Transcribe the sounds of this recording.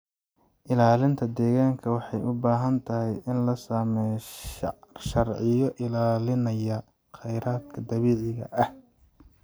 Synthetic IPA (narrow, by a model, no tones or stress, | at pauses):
ʔɪlaːlɪnt̪ʰɐd̪ɛːɣaːŋkʰɐwɑħɑjʊbaːɦɐnt̪ʰɐɦɛjɪnlɐsaːmɛj | ʃɐrʕɪjɔʔɪlaːlɪnɐjɐ | qɛjɾaːd̪kʰɐd̪ɐβɛːʕɪɣɐ̰ʔɐh